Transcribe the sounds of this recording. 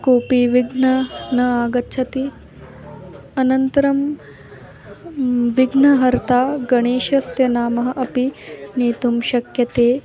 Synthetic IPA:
koːpiʋiɡnɐnɐaːɡɐtːʃʰɐt̪i | ɐnɐnt̪ɐɾɐm | ʋiɡnɐɦɐɾt̪ʰaːɡɐɳeːʃɐsjɐnaːmɐɦɐʔɐpineːt̪umʃɐkjɐt̪eː

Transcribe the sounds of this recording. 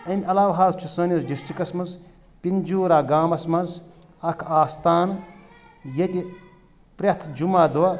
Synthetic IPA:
ɐmʲɐlaːʋɦaːzt͡ʃʰusɐːnʲjɐzd͡ʒisʈikɐsmɐz | pind͡ʒuːɾaːɡaːmɐsmɐnz | ɐkʰaːst̪aːn | jɐt̪ʲi | pɾʲɐt̪ʰd͡ʒumaːd̪wɐ

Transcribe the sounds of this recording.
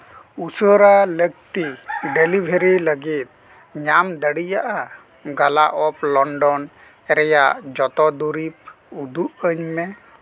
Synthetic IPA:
usɔɾalək̚t̪iɖelibʱeɾiləɡit̪̚ | ɲamd̪əɽijaʔa | ɡalaʔɔplɔɳɖɔn | ɛɾɛjaʔd͡ʒɔt̪ɔd̪uɾip̚ | ud̪uʔəɲmɛ

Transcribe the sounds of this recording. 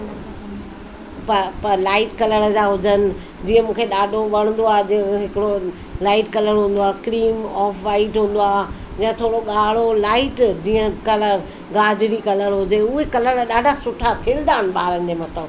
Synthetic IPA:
pɐpɐɾlaːɪʈkɐləɽəd͡ʑaːɦʊd͡ʑənɪ̆ | d͡ʑĩːə̃mũːkʰeɗaːɖʱoʋɐɽ̃n̆d̪oaːd͡ʑĩə̃ɦɪkɪɽo | laːɪʈkɐləɽɦũːn̆d̪oaːkɪɾiːmɔːfʰʋaːɪʈɦũːn̆d̪oaː | d͡ʑiːə̃t̪ʰoːɽoɠaːɭ̤olaːɪʈd͡ʑĩːə̃kɐləɾ | ɡaːd͡ʑɪɽikɐləɽɦʊd͡ʑeʊɦekɐləɽɗaːɖʱasʊʈʰakʰeːld̪aːənɪ̆ɓaːɾənɪ̆d͡ʑeːmɐt̪əb

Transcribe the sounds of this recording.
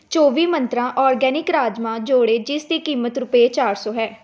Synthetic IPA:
t͡ʃoːʋiːmənt̪ɾãːʔɔːɾɡɛːnɪkɾaːd͡ʒmãːd͡ʒoːɽeːd͡ʒɪsd̪iːkiːmət̪ɾʊpeːt͡ʃaːɾsɔːɦɛː

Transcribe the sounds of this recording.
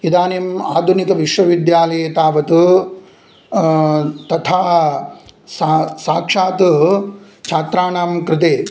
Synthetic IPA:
id̪aːnema̰ːd̪ʱunikɐʋiʂʋɐʋid̪jaːlɐjet̪aːʋɐt̪u | t̪ɐt̪ʰaː | sasaːkʂaːt̪u | t͡ʃʰaːt̪ɾaːɳaːmkɾɪt̪eː

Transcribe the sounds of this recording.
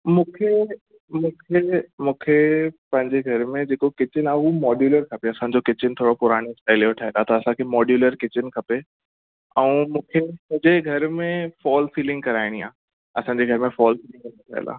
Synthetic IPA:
mũːkʰe | mũːkʰemũːkʰepɐ̃ɦɪ̃ɲd͡ʑeɡʱɐɾmẽd͡ʑeːkokɪt͡ɕɪnaːumɔːɖjuːləɾkʰɐpeɐsã̆d͡ʑokɪt͡ɕɪnt̪ʰoːɽopʊɾaːɽ̃oɐɦlijoʈʰaɦelat̪ɐɐsãkʰeːmɔːɖjuːləɾkɪt͡ɕɪnkʰɐpe | ɛ̃ũːmũːkʰemɐ̃ɦɪ̃ɲd͡ʑeɡʱɐɾmẽfɔːlfiːlɪ̃ŋɡ̚kɐɾaːɪɽ̃ia̰ː | ɐsãːɲd͡ʑeɡʱɐɾmẽfɔːlfiːlɪ̃ŋɡkɐ̃noʈʰa̰ɦɪ̰la̰ː

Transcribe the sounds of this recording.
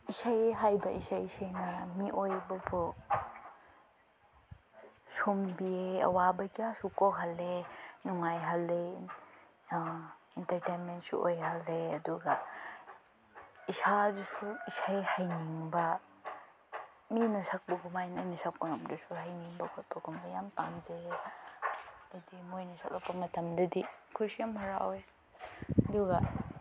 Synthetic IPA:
isajɦajbɐʔisajisajnɐmiʔojbɐbɔ | sumbieɐ̰wabɐkiasukoɦalenuŋajɦɐlːe | intɐɾtenmentsṵʔo̰jɦalːeɐduɡa | isadusuisajhajniŋbɐ | minɐsak̚bɐɡumajnɐnɐsak̚pɐŋɐmdusuɦajniŋbɐkʰɔt̚bɐɡʰumbɐjampanze | dɐdimojnɐsʰa̰k̚lapːɐmɐtɐmdɐdikʰusijamhɐɾa̰oj | ɐduɡɐ

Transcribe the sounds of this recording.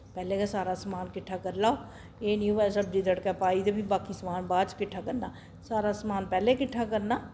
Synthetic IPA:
pɛːleːkaːsaːɾaːsmaːnkɪʈʰːaːkəɾlaːo | eːnjuːʋɛːsəb̚d̪iːd̪əɽkaːpaːiːd̪eːbiːbaːkiːsmaːnbaːd̪t͡ʃkɪʈʰːaːkəɾnaː | saːɾaːsmaːnpɛːleːkɪʈʰːaːkəɾnaː

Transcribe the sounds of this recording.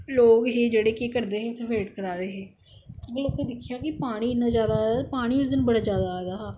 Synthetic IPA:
loːkɦeːd͡ʒeːɽeːkeːkəɾd̪eːɦẽːt̪ʰẽːʋeːʈkəɾaːd̪eːɦeː | bəlobked̪ɪkʰːɪjaːkɪpaːɽ̃iːɪnːãːd͡ʒjaːd̪ad̪apaːɽ̃iːʊsd̪ɪnbəɽaːd͡ʒjaːd̪aːaːd̪aːɦaː

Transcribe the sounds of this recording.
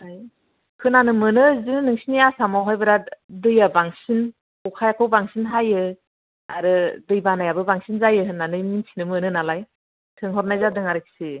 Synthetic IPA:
aj | kʰɯnanɯmɯnɯzɯnnɯŋsinijasamaɦajbɯɾadɯjabaŋsin | ukʰajakʰɯwbaŋsinɦajɯ | aɾɯdɯjbanajabɯbaŋsinzajɯɯnanɯjminsʰinɯmɯnɯnalaj | tʰɯŋɦɔɾ̚najzadɯŋaɾɯk̚si

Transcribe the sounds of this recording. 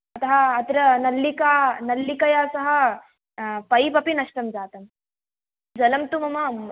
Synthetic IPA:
ɐt̪ɐɦɐːt̪ɾɐnɐlːikaːnɐlːikɐjaːsɐɦɐ̆ | pɐjpɐpinɐʂʈɐmd͡ʒaːt̪ɐm | d͡ʒɐlɐmt̪umɐmɐ

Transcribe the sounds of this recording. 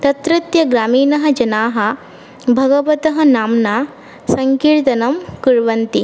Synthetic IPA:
t̪ɐt̪ɾɐt̪jɐɡɾaːmiːnɐɦɐ̆d͡ʒɐnaːɦɐ̆ | bʱɐɡɐʋɐt̪ɐɦɐ̆naːmnaː | sɐŋkiːɾt̪ɐnɐmkuɾʋɐnt̪i

